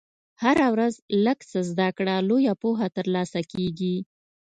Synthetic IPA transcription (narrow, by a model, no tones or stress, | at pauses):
haɾawɾazləɡsəzd̪akɽalojapoɦat̪əɾlɑsakeɡi